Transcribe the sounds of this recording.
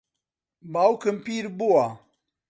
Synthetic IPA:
baːwkɨmpiːɾbuwa

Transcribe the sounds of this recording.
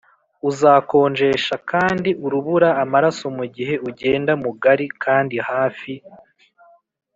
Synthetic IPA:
uzaːko̞ːnd͡ʒe̞ʃakaːndiʔuɾuβuɾaːmaɾaso̞muɟiɦe̞uɟe̞ːndamuɡaɾikʰaːndihaːfi

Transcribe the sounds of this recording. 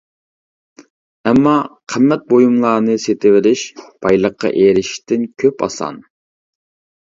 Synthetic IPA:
ɛmːɑqʰəmːɛt̪̚bojumlˠɑːnɨset̪ɪvɪɾɪʃb̥ɑjlˠəqʰːɑ̰ʔeɾɪʃt̪ʰɪnkʲʰøpɑ̰sɑ̰n

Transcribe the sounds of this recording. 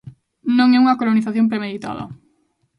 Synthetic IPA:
nõŋɛuŋɐkoloniθaθjompɾemeðit̪a̰ðɐ̰

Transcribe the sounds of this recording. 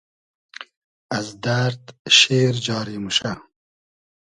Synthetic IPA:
ɐzd̪aɾd̪ʃeːɾd͡ʑɑːɾiːmuʃɐ

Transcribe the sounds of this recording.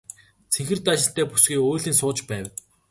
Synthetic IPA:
t͡sʰeŋxɘ̆rt̪aʃɪ̆ɬt̪æːpu̥sɡiːoːɮiːnsʊːt͡ɕpæːwʲ

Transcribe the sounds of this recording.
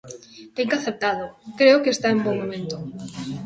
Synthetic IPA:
t̪eŋkaθep̚t̪aðʊkɾeʊkest̪aemboŋmomẽnt̪ʊ

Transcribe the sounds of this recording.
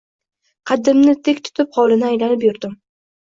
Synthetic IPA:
qʰɑd̪ɪmnɪt̪ʰekʲt̪ʰʊ̥t̪ʰɪphɒlˠɪnɪajlanɪp̬jʊɾd̪ɪm

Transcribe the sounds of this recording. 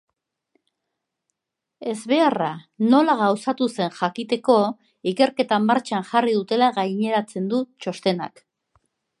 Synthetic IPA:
e̞zβe̞arano̞laɣawsat̪use̞nʝakit̪e̞ko̞ | ike̞ɾke̞t̪amːaɾt͡ʃanʝariðut̪e̞laɣajɲe̞ɾat͡se̞nd̪ut͡ʃo̞st̪e̞na̰k

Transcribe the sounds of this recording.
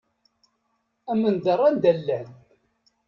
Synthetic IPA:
æmənd̪ərˤːænd̪ælːæn

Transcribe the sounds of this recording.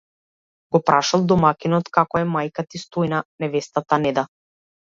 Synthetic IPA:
ɡ̥ɔpɾaʃalˠd̪ɔmakinɔt̪kakɔɛmajkat̪ist̪ɔjnanɛvɛst̪at̪anɛd̪a

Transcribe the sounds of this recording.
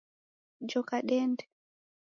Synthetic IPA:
d͡ʒɔkaɗɛndɛ

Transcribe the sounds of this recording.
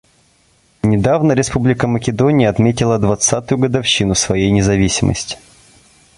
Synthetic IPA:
nʲɪd̪avnəɾʲɪspublʲɪkəməkʲɪd̪onʲɪjəɐt̪mʲetʲɪlˠəd̪vɐt̪sat̪ʊjʊɡəd̪ɐfɕːinʊsvɐjejnʲɪzɐvʲisʲɪmə̰sʲtʲɪ̥

